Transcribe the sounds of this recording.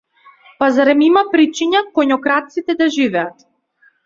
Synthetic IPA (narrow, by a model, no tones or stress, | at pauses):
pazaɾɛmimapɾit͡ʃiɲakɔɲɔkɾat̪sit̪ɛd̪aʒivɛat̪